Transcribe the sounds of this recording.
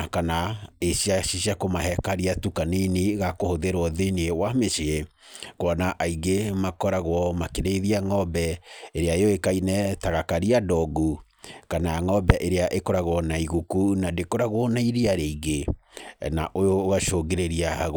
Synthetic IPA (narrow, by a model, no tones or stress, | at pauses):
kanaeɕijaɕiɕiakomaɦɛkaɾiatukaneniɣakohoðeɾwɔðeniewameʃie | koɔnaʔaiɡemakɔɾaɣwɔmakeɾeðiaŋɔbɛeɾeaeɔekainɛtaɣakaɾiadɔɡu | kanaaŋɔbɛʔeɾeaʔekoɾaɣoɔnaiɣukunadekoɾaɣwɔnaiɾiaɾeiɣe | naʔojoːɣaʃoɣeɾeɾiahaɣ